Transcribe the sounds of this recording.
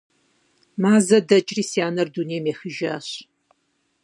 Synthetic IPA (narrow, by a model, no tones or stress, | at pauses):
maːzɐdɐt͡ʃʼriːsjaːnɐrduneːmeːxɨʒa̰ːɕ